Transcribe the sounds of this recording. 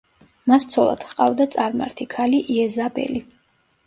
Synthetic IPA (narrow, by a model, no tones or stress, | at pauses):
mast̪sʰɔlˠa̰d̪̥χqʼa̰vd̪at̪sʼaɾma̰ɾt̪ʰikʰaliʔiɛzabɛ̰li